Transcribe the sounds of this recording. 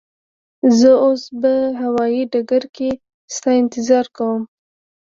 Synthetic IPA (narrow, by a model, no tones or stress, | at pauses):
zəosbaɦawɑjiɖaɡaɾke | st̪ɑɪnt̪ɪzɑɾkawəm